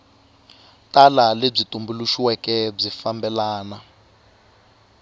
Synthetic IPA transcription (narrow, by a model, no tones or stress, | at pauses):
talaleb͡ʐitumbuluʃiwɛkɛb͡ʐifambɛlaːna